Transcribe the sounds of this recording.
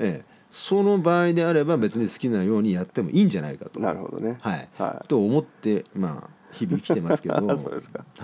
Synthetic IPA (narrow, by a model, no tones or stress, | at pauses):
e | so̞no̞baːid̪e̞aɾe̞babe̞t͡sɨɲ̟isɨ̥kʲinajo̞ːɲ̟ijat̪ːe̞mo̞̰ʔiːɲ̟d͡ʑana̰ikat̪o̞na̰ɾɯho̰d̪o̰nehaḭt̪o̞ːmo̞t̪ːe̞ma̰çibʲikʲit̪e̞masɨ̥ke̞d̪oo̰ːd̪esk